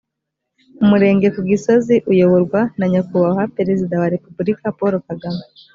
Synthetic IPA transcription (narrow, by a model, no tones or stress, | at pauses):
umuɾe̞ːŋɡekuɡisoziʔujo̞βoɾɡwanaɲakuβaɦapeɾezid̪awaɾepubuɾikapoɾokaɡama